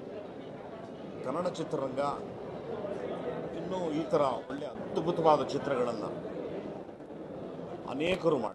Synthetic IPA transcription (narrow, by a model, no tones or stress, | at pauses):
ɡʱɐnɐɽɐt͡ʃit̪ɾɐɾɐŋɡɐ | inːuːiːt̪ɐɾɐoɭːeɐd̪bʱut̪ɐʋaːd̪ɐt͡ʃit̪ɾɐɡɐɭɐnːɐ̰ | ɐ̰nɛːkɐɾuːma̰ː